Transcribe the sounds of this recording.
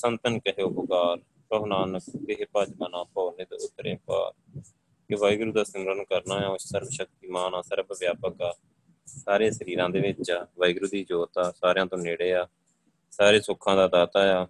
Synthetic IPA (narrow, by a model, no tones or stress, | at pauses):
sənt̪ənkɪɦoːbʊkaːɾ | pəɦnaːnəkt̪ɪɦeːpad͡ʒmənãːpɔːneːd̪ḛːʊt̪ːɾḛ̃ːpa̰ːɾ | keʋajɡɾuːd̪aːsəmɾənkəɾnaːjaːʊsəɾbʃək̚t̪iːmaːnaːsəɾbʋjaːpəkaː | saːɾeːsəɾiːɾãːd̪eːʋɪt͡ʃaːʋəːɪɡɾuːd̪iːd͡ʒoːt̪aːsaːɾejãːt̪õːneːɽeːaː | saːɾeːsʊkʰːãːd̪aːd̪aːt̪aːjaː